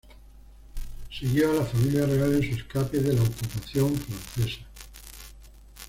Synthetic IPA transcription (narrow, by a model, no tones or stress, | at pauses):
siɣjoalafamiljare̞ale̞nsueskapeðelaokupaθjo̞ɱfɾãnθe̞sa